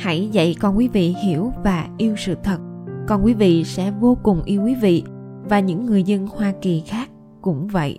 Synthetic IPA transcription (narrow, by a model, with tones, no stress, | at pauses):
ha˧˥jzə̰˧˨jkɔ˨˩nkwi˨˦vḭ˧˨hi˧˩əwvaː˨˩ʔi˧əwsɨ̰˧˨t̪ʰə˨˩t̚ | kɔ˨˩nkwi˨˦vḭ˧˨sɛ̰˧˥vo˧kʊ˨˩ŋ͡mʔi˧əwkwi˨˦vḭ˧˨ | vaː˨˩ɲɨ̰˧˥ŋːɨ˨˩əjzə˧nhwaː˧ki˨˩xaː˦˥k̚ | kʊ̰˧˥ŋ͡mvə̰˧˨jʔ